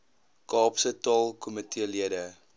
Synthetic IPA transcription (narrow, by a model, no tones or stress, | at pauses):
kɑːpsətɑlˠkʰɔmətʰiəliədə